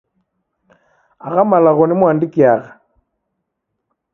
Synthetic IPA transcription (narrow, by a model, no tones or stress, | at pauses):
aɣamalaɣonimwaːndikiaɣa